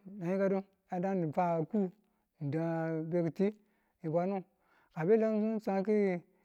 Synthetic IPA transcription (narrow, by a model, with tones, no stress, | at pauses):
na˨ji˦ka˦du˦ | a˨da˦i˨fa˨ku˦ | n̩˨da˨be˦ki˨ti˦ | i˨ba˨nu˦ | ka˨be˦la˦zu˦sa˦k̬i˦